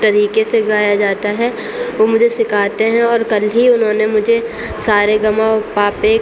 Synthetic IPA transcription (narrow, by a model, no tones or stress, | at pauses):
t̪ɐɾiːkeseɡaːjad͡ʒaːt̪aɦɛ | ʋoːmʊd͡ʒʱesɪkʰaːt̪eɦɛ̃ɔːɾkɐlɦiʊnɦõnemʊd͡ʒʱe | saːɾeɡɐmãpaːpe